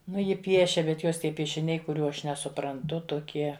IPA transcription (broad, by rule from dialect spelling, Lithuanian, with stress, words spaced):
ˈnʊ ˈjɪ ˈpʲiɛʃʲɛ bʲɛt ˈjoːs ˈtʲiɛ pʲiɛʃʲɪˈnʲɛɪ kʊˈrʲuː ˈɐʃ nʲɛsʊprɐnˈtʊ tʊˈkʲiɛ